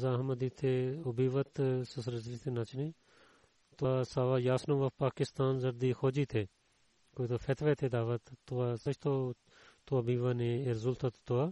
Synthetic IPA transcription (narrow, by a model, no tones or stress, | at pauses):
zaːɦməd̪iːt̪ʰeʊbiːʋət̪sɐsɾɐzlit̪ʰenɐt͡ʃniː | t̪asaːʋaːjaːsnõːʋɐpaːkɪst̪aːnzɐɾd̪iːxoːd͡ʒiːt̪ʰeː | koːit̪ʰoːfɛːt̪ʰʋeːt̪ʰeːd̪aːʋət̪ːoaːsɐt͡ʃʰt̪ʰoː | t̪oɐbiːʋanẽːeɾzʊlt̪ʰɐt̪t̪oaː